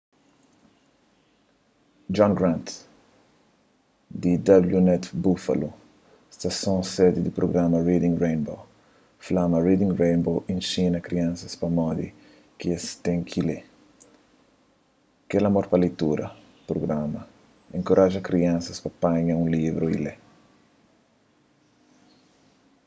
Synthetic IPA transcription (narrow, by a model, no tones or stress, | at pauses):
d͡ʒɔ̃ŋɡɾãnt̪ | d̪id̪abljunɛt̪bufɐ̰lu | st̪ɐsõsɛd̪id̪ipɾoɡɾamɐrid̪ĩŋɾẽjnbo | flamɐrid̪ĩŋrẽjnboʔĩnsĩnɐkɾiãnsɐspɐmɔd̪ḭ | kiest̪ẽŋkʰile | kelɐmoɾpɐlejt̪uɾɐ | pɾoɡɾamɐ | ẽŋkoɾʔaʒɐkɾiɐ̃nsɐspɐpãɲɐũlivɾoḭle